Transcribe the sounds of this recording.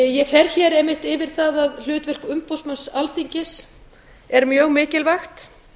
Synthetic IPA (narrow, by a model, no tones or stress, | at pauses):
jɛfɛɾçɛːɾɛmːɪht̪ɪvɪɾ̥θaðaðl̥ʏːt̪vɪr̥kʏmpowsmansalθiɲcɪs | ɛɾmjœːɣmɪːcɪlvaxt̪